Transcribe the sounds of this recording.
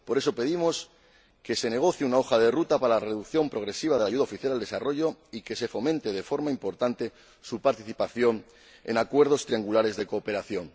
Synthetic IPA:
po̞ɾe̞so̞pe̞ð̞imo̞s | ke̞se̞ne̞ɣ̞o̞θjeunao̞xað̞e̞rut̪apaɾalare̞ðukθjo̞mpɾo̞ɣɾe̞siβ̞að̞e̞laʝuðaofiθjalald̪e̞saro̞ʝo̞ike̞se̞fo̞mẽnt̪e̞ð̞e̞fo̞ɾmaimpo̞ɾt̪ant̪e̞ | supaɾt̪iθipaθjo̞n | e̞̰nakwe̞ɾð̞o̞st̪ɾiaŋɡulaɾe̞zðe̞ko̞ːpe̞ɾaθjo̞n

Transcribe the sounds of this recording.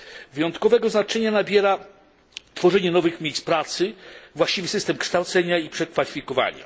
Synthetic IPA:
vɘjɔnt̪kɔvɛɡɔznat͡ʂɛɲanabʲjɛɾa | t̪fɔʐɛɲɛnɔvɘxmʲejs̚pɾat̪sɘvwaɕt͡ɕivɘsɘst̪ɛmkʂt̪awt̪sɛɲaipʂɛkfalʲifʲikɔva̰ɲa̰

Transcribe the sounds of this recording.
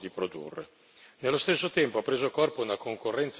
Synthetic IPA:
d̪ipɾod̪ṵrːḛ | nelːost̪esːot̪ɛmpoapːɾeːzoakɔrpounakʰoŋkorːɛnt̪s

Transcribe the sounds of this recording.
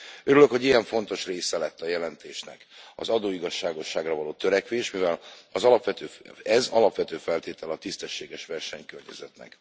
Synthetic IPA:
øɾyløkhoɟijɛɱfo̞n̪t̪o̞ʃreːsɛlɛt̪ːɒjɛlɛnt̪eːʃnɛ̰kɒ̰zɒd̪oːiɡɒʃːaːɡo̞ʃːaːɡrɒvɒloːt̪øɾɛkʋeːʃmivɛlɒzɒlɒpʋɛt̪øːɛzɒlɒpʋɛt̪øːfɛlt̪eːt̪ɛlɒt̪ist̪ɛʃːeːɡɛʃʋɛrʃɛɲkørɲɛ̰zɛt̪nɛ̰k

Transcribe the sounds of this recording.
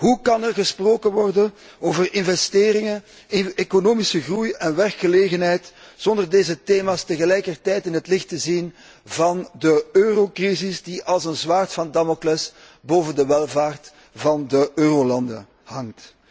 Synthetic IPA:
ɦukɑnərɣəsproːkənʋɔrdən | oːvərʔɪnvɛsteːɾɪŋə | ekonoːmisəɣrujɛnʋɛrkxəleːɣənɦɛjtz̥ɔndərdeːzəteːmaːstəɣəlɛjkərtɛjtɪnɦətlɪxtəzin | vɑndəøːrokrizɪsdiʔɑlˠzənzwaːrtfɑndamoklɛs | boːvəndəʋɛlˠvaːrt | vɑndəʔøːrolɑndə̰ | hɑŋt

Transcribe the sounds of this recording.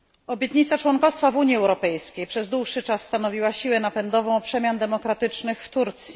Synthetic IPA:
ɔbʲjɛt̪ɲit̪sat͡ʂwɔŋkɔst̪favuɲjiɛwɾɔpɛjskʲejpʂɛzd̪wuʂːɘt͡ʂasːt̪anɔvʲiwaɕiwɛnapɛnd̪ɔvɔ̃w̃pʂɛmʲjand̪ɛmɔkɾat̪ɘt͡ʂnɘxft̪uɾt̪sʲji

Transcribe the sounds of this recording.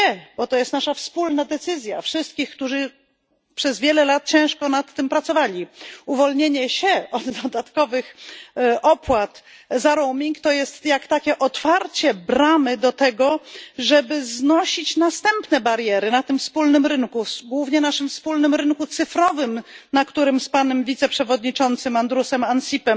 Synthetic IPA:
ɛbɔt̪ɔjɛst̪naʂafspulnad̪ɛt̪sɘzʲja̰fʂɘst̪̚kʲixkt̪uʐɘ | pʂɛzvʲjɛlɛlat̪̚t͡ɕɛ̃w̃ʂkɔnat̪ːɘmpɾat̪sɔvalʲiuvɔlɲeɲɛɕɛʔɔd̪d̪ɔd̪at̪kɔvɘx | ɔpwat̪zaɾɔwmʲiŋkt̪ɔjɛst̪jakt̪akʲɛʔɔt̪faɾt͡ɕɛbɾamɘd̪ɔt̪ɛɡɔʐɛbɘznɔɕit͡ɕnast̪ɛmpnɛbaɾjɛɾɘnat̪ɘmfspulnɘmɾɘŋkuɡwuvɲɛnaʂɘmfspulnɘmɾɘŋkut̪sɘfɾɔvɘmnakt̪uɾɘmspanɛmvʲit̪sɛpʂɛvɔd̪ɲit͡ʂɔnt̪sɘmand̪ɾusɛmansʲipɛm

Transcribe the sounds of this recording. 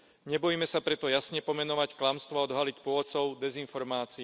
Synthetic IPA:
ɲɛbɔjimɛsapɾɛt̪ɔjasɲɛpɔmɛnɔʋacklamst̪ʋɔaɔd̪ɦalicpʊɔʋɔt̪t͡sɔʊd̪ɛzinfɔɾmaːt͡si

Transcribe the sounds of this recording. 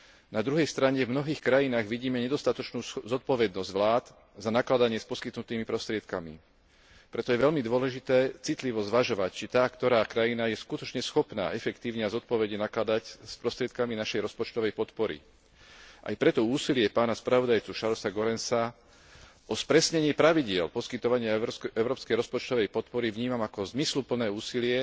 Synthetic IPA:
nad̪ɾuɦɛjst̪ɾaɲɛvmnɔɦiːxkɾajinaːɣʋiɟiːmɛɲɛd̪ɔst̪at̪ɔt͡ʃnuːzɔt̪̚pɔʋɛd̪nɔzɟʋlaːd̪ | zanaklad̪aɲɪɛspɔskit̪nut̪iːmipɾɔst̪ɾɪɛt̪kamḭ | pɾɛt̪ɔjɛʋɛʎmid̪ʋɔlɛʒit̪ɛːt͡sit̪liʋɔzʋaʒɔʋact͡ʃit̪aːkt̪ɔɾaːkɾajinajɛskut̪ɔt͡ʃɲɛsxɔpna̰ːʔɛfɛkt̪iːʊɲɛazɔt̪̚pɔʋɛɟɛnaklad̪acspɾɔst̪ɾɪɛt̪̚kaminaʃɛjɾɔspɔt͡ʃt̪ɔʋɛjpɔt̪pɔɾḭ | ʔa̰jpɾɛt̪ɔuːsilɪɛpaːnaspɾaʋɔd̪ajt͡suʃaɾsaɡɔɾɛnsa | ʔɔspɾɛsɲɛɲɪɛpɾaʋiɟɪɛlpɔskit̪ɔʋaɲɪaɛʊɾɔːpskɛjɾɔspɔt͡ʃt̪ɔʋɛjpɔt̪pɔɾiʋɲiːmamakɔzmislupl̩nɛːuːsilɪɛ

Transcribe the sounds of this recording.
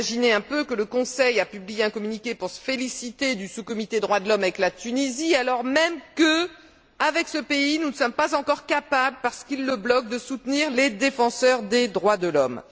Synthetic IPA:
ʒineɛ̃pøkələkɔ̃sɛjapyblijeɛ̃kɔmynikʲepuʁsə̥felisit̪ed̪ysukɔmit̪ed̪ʁwad̪əlɔmavɛklat̪ynizialɔʁmɛmkə | avɛksəpeinunəsɔmpazɑ̃kɔʁkapabləpaʁsə̥kilːəblɔk̚d̪əsut̪niʁled̪efɑ̃sœʁd̪ed̪ʁwad̪əlɔm

